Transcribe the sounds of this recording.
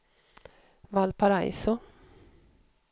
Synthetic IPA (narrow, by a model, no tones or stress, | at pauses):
valpaɾa̰jsʊ